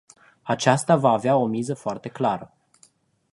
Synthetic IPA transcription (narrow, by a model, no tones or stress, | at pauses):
at͡ʃast̪avaːveao̞mizəfoart̪e̞klaɾə